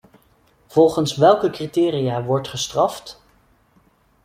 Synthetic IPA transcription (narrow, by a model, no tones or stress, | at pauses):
v̥ɔlˠχənsʋɛlˠkəkritɪːriaːʋɔɹtχəstrɑft